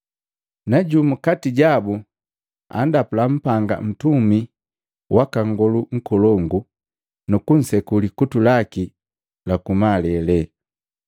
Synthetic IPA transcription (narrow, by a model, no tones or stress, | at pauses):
naɟumukatiɟabu | a̰ndapulam̩paŋɡa̰m̩tumi | wʔakaŋɡɔluŋ̩kɔlɔŋɡu | nukun̩sɛkulikutulaki | lakumalɛlɛ